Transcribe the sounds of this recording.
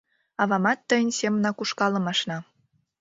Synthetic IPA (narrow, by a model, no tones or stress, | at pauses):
ɑβɑmɑt̪ːəjnʲsemənɑkuʃkɑlə̆mɑʃnɑ